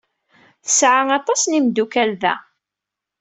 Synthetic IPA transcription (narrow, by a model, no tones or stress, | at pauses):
θəsʕaŋɑt̪ˤɑsnimd̪ukælðæ̰